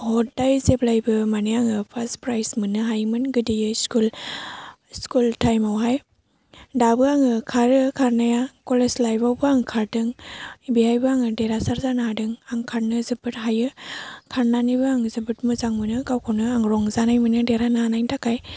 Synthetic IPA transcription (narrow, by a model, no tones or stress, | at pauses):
hɔt̚dajzeblajbɯmanɯaŋɯpʰaspɾajsmɯnɯɦajmɯnɡɯdijɯskul | skultajmawɦaj | dabɯaŋɯkʰaɾɯkʰaɾnajakɔleslajbawbɯaŋkʰaɾdɯŋbihajbɯaŋɯdeɾasaɾzanɯɦadɯŋaŋkʰaɾnɯzɯbɯtɦajɯkʰaɾnanibɯaŋzɯbɯt̚mɯzaŋmɯnɯɡawkʰawnɯaŋɾɔŋzanajmɯnɯdeɾanaanajntʰakaj